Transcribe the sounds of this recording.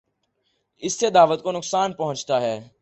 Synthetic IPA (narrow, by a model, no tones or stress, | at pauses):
ɪsːed̪aːʋət̪̚konʊksaːnpɐɦʊ̃t͡ʃt̪aɦɛː